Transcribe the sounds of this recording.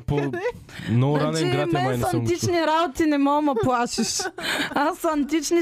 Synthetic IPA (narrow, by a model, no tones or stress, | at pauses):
po | noɾanɾamamanait͡ʃniɾawt̪inemawmɐpwaʃiʃasant̪it͡ʃni